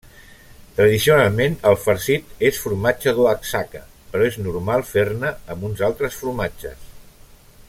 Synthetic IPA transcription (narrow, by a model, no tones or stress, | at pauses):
t̪ɾəðisiunalˠmenəlˠfəɾsit̪esfuɾmat͡ʃəðoəksakə | pəɾɔeznuɾmalˠfeɾnəːmbunzalˠt̪ɾəsfuɾmad͡ʒə̰s